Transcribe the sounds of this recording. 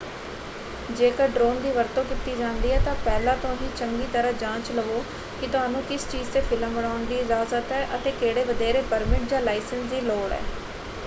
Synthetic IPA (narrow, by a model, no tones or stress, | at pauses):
d͡ʒeːkəɾɖɾoːnd̪iːʋəɾt̪õːkit̪iːd͡ʒãːnd̪iːɦɛːt̪ãːpɛːlãːt̪õːɦiːt͡ʃəŋɡiːt̪əɾãːd͡ʒãːt͡ʃləʋoː | kɪt̪ʊɦaːnũːkɪst͡ʃiːzt̪eːpʰɪləmbəɽaːʊnd̪iːɪzaːzət̪ɛːʔət̪eːkeːɽeːʋəd̪eːɾeːpəɾmɪʈ̚d͡ʒãːlaːɪsənsd̪iːloːɽɛ̰ː